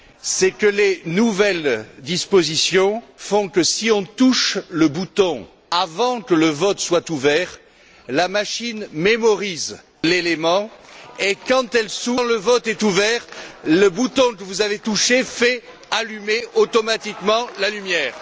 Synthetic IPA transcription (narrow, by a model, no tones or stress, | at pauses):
sɛkəlenuvɛld̪ispozisjɔ̃fɔ̃kəsiɔ̃t̪uʃləbut̪ɔ̃ | avɑ̃kələvɔt̪swat̪uvɛʁ | lamaʃinmemɔʁiz | lelemɑ̃ekɑ̃t̪ɛlsuləvɔt̪ɛt̪uvɛʁləbut̪ɔ̃kəvuzavet̪uʃefɛ | alymeot̪ɔmat̪ikmɑ̃lalymjɛːʁ